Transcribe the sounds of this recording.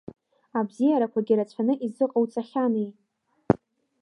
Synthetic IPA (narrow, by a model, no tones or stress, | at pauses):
abzijaɾakʷʰaɡʲiɾat͡ɕʷʰanɨʔizɨqʼawt͡sʼaχʲanej